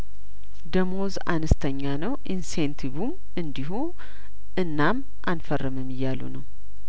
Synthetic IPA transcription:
d̪əmo̞za̰nəst̪ʰəɲːanəwʔinsent̪ʰiβum | ɨnd̪iɦu | ʔɨnːam | ʔanfərːɨmɨmɨjːalṵnəw

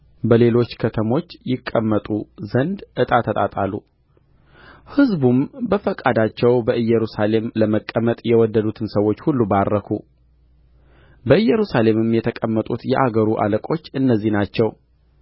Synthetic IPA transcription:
bəle̞lo̞t͡ʃːkʰət̪ʰəmo̞t͡ʃːjɪkʼːəmːət̪ʼuzənd̪ʔɨt̪ʼat̪ʰːət̪ʼat̪ʼalːu | hɨzbumbəfəkʼad̪at͡ʃːɛwbəʔɨjːɛɾusale̞mləməkʼːəmət̪ʼjɛwɔd̪ːəd̪ut̪ʰɨnsəwo̞t͡ʃːhulːubarːəkʰu | bəɨjɛɾusale̞mɨmjɛt̪ʰəkʼəmːət̪ʼut̪jɛʔaɡəɾuʔa̰ləkʼo̞t͡ʃːɨnːəzːihnat͡ʃːɛw

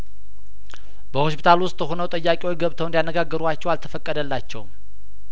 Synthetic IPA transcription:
bəho̞spʰi̥t̪ʰalwʊst̪ʼhonəwt̪ʼəjːakʼiwojɡəβt̪ʰəwnd̪janːəɡaɡːəɾuat͡ʃːɛwalt̪ʰəfəkʼːəd̪əlːat͡ʃːɛw

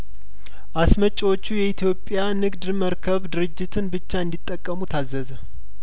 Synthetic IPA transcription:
ʔasmət͡ʃʼːwo̞t͡ʃːujɛit̪ʰjo̞pʼːjanɨɡd̪məɾkʰəβd̪ɨɾɨd͡ʒːɪt̪ʰɨnbɨt͡ʃːaɨnd̪it̪ʼːəkʼːəmut̪ʰazːəzə

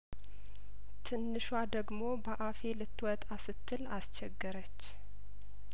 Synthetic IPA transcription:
t̪ʰɨnːɨʃwad̪əɡmo̞bəʔafe̞lɨt̪ːwɔt̪ʼasɨt̪ʰːɨlast͡ʃɛɡːɨɾət͡ʃː

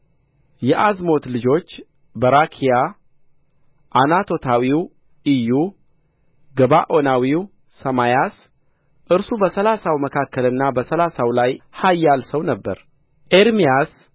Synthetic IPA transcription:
jɛʔazmo̞t̪lɨd͡ʒo̞t͡ʃː | bəɾakʰija | ʔːnat̪ʰo̞t̪ʰawiw | ʔiju | ɡəβaʔo̞nawiw | səmajas | ʔɨɾsubəsəlasawməkʰakːəlɨnːabəsəlasawlajhajːalsəwnəbːə̰ɾ | ʔeɾmijas

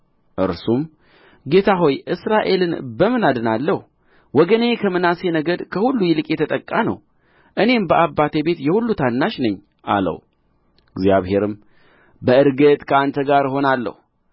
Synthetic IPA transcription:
ʔɨ̰ɾsum | ɡe̞t̪ʰaɦo̞jʔɨsɾaʔe̞lɨnbəmɨnad̪ɨnalːəh | wɔɡəne̞kʰəmɨnase̞nəɡəd̪kʰəhulːujɪlɨkʼjɛt̪ʰət̪ʼəkʼːanə̰w | ʔɨne̞mbəʔabːat̪ʰebe̞t̪jɛhulːut̪ʰanːaʃnəɲː | ʔa̰lə̰w | ɨɡzjaβhe̞ɾɨm | bəɨɾɡət̪ʼkʰəant̪ʰəɡaɾho̞nalːə̰hu

